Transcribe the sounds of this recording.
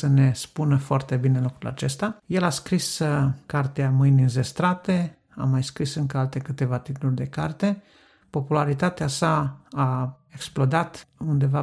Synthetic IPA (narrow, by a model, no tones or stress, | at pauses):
səne̞spunəfoart̪e̞bine̞lukɾula̰t͡ʃe̞st̪aje̞laskɾiskart̪eamɨjnʲɨnze̞st̪ɾat̪e̞ | a̰majskɾisɨŋkəalt̪e̞kɨt̪e̞vat̪it̪ulurʲd̪e̞kart̪e̞ | po̞pulaɾit̪at̪easaː | eksplo̞d̪at̪und̪e̞va